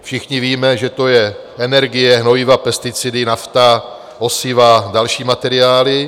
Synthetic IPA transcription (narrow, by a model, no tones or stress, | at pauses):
fʃɪxɲɪviːmɛʒɛt̪o̞jɛ | ɛnɛɾɡɪjɛɦnojɪvapɛst̪ɪt͡sɪdɪnaft̪a | osɪvadalʃiːmat̪ɛɾɪjaːlɪ